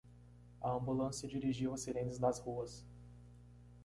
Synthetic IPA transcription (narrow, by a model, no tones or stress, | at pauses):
ɐɐ̃mbulɐ̃sɐd͡ʒiɾiʒiwɐsiɾẽnt͡ʃ̪ɪznɐzhuɐs